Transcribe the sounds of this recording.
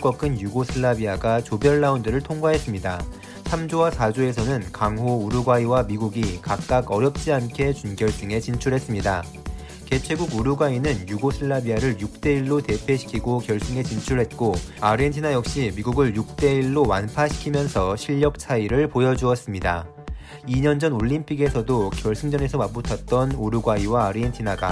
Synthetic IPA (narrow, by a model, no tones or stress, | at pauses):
k͈wʌk͈ʰɯnjuɡosʰɯɭːabiaɡat͡ɕobjʌɭːaundɯɾɯɭtʰoŋɡwaɦe̞s͈ɯmɲida | sʰamd͡ʑowasʰad͡ʑoe̞sʰʌnɯnkaŋɦouɾuɡwaiwamiɡuɡikak̚k͈aɡʌɾjʌp̚t͡ɕ͈iankʰe̞t͡ɕunɡjʌɭs͈ɯŋe̞t͡ɕint͡ɕʰuɭɦe̞s͈ɯmɲida | ke̞t͡ɕʰweɡuɡuɾuɡwainɯnjuɡosʰɯɭːabiaɾɯɭjuk̚t͈e̞iɭːote̞pʰe̞ɕʰi̥kʰiɡokjʌɭs͈ɯŋe̞t͡ɕint͡ɕʰuɭɦe̞t̚k͈oaɾɯentʰinajʌk̚ɕ͈imiɡuɡɯɭjuk̚t͈e̞iɭːowanpʰaɕʰi̥kʰimjʌnsʰʌɕʰiʎːʌk̚t͡ɕʰaiɾɯɭpojʌd͡ʑuʌs͈ɯmɲida | iɲʌnd͡ʑʌnoʎːimpʰiɡe̞sʰʌdokjʌɭs͈ɯŋd͡ʑʌne̞sʰʌmabutʰʌt̚t͈ʌnoɾuɡwaiwaːɾɯentʰinaɡa̰